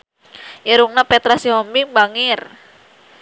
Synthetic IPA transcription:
ʔiɾuŋnapɛt̪ɾasiɦɔmbiŋbaŋɪr

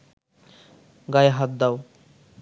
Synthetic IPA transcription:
ɡajɦat̪̚d̪aw

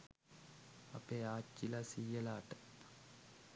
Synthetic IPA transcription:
a̰peːaːt͡ʃːilasijəlaːʈə̥

